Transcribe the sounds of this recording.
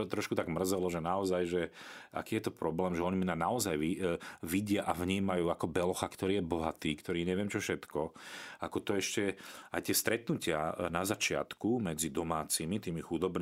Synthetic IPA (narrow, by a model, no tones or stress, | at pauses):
t̪ɾɔʃkut̪aɡmr̩zɛlɔʒɛnaɔzajʒɛa̰kiːjɛt̪ɔpɾɔblɛːmʒɛɔɲiminanaɔzajʋiʋiɟɪaʔavɲiːmajuːakɔbɛlɔxakt̪ɔɾiːjɛbɔɦat̪iːkt̪ɔɾiːɲɛʋɪɛmt͡ʃɔfʃɛt̪kɔakɔt̪ɔɛʃcɛa̰jt̪ɪɛst̪ɾɛt̪nucɪa̰nazat͡ʃɪa̰t̪kumɛd͡zid̪ɔmaːt͡simit̪iːmixud̪ɔbn